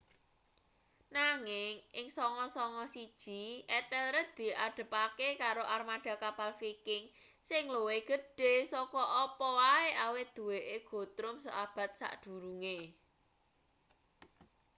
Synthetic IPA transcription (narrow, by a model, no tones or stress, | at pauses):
naŋɪŋʔɪŋsɔŋɔsɔŋɔsid̥ʒ̥i̤ʔɛt̪ɛlɾəd̪̥i̤aɖ̪̥ə̤pakekaɾoʔarmaɖ̥a̤kapalfikɪŋ | sɪŋloweɡ̥ə̤ɖ̥e̤sɔkɔʔɔpɔwaeʔawɪt̪̚d̪̥ṳweʔeɡ̥o̤t̪ɾʊmsɔ̰ʔab̥ä̤t̪̚sa̰ʔɖ̪̥ṳɾuŋe